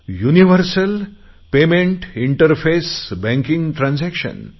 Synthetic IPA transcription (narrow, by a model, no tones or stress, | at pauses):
juniʋəɾsəl | pemẽɳʈiɳʈəɾfesbɛ̃ŋkĩŋɡʈɾãnsækʃə̰n